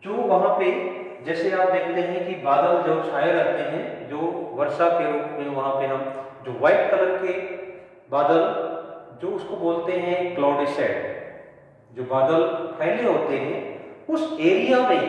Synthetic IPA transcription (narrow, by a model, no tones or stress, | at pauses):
d͡ʒoːʋɐɦãpe | d͡ʒɛːseaːp̚d̪eːkʰt̪eɦɛ̃kibaːd̪əld͡ʒɐʃʰaːjəɾɛɦt̪eɦɛ̃d͡ʒoːʋɐɾʃakeɾoːkmẽʋɐɦãpeɦãmd͡ʒoːʋaːɪʈ̚kələɾke | baːd̪əl | d͡ʒoːʊskoboːlt̪eɦɛ̃klɔːɾɖisɛːʈ | d͡ʒoːbaːd̪əlpʰɛːleɦoːt̪eɦɛ̃ʊseːɾijamẽ